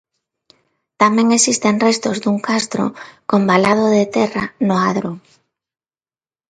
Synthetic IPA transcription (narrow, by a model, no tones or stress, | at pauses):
t̪amẽŋesist̪eŋrest̪ozd̪uŋkast̪ɾo̰kombalað̞oðet̪ɛranoaðɾo